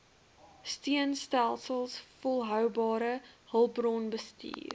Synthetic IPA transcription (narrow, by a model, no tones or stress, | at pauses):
stiənstælˠsəlˠsfɔlˠɦœwbɑːɾəhəlˠprɔnbəstḭːr